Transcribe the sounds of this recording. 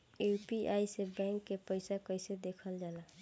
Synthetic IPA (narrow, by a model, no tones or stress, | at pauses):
upiʔajsebɛ̃ŋkːepəjsakəjsed̪ekʰəld͡ʒala